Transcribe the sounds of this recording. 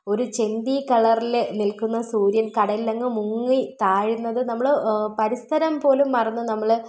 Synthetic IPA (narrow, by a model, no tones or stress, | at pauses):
o̞ɾut͡ɕe̞nd̪ikɐɭɐrilenilkunːɐsuːɾjɐnkɐɽɐjilɐŋːɨmuŋːit̪aːɻinːɐðɨnɐmːɐɭɨpɐɾist̪ʰɐɾɐmpo̞ːlumːɐrɐnːunɐmːɐɭɨ